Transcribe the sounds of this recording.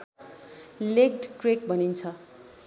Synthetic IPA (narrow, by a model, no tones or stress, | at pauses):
leɡʈkrek̚bʌnint͡sʰʌ